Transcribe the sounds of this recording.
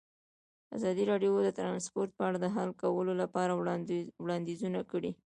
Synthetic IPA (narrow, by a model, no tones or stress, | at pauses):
a̰zɑd̪iɾɑɖjod̪ət̪ɾɑnspoɾt̪̚pəaɽad̪əɦalkawəlolapɑɾawɽɑnd̪izunakəɽi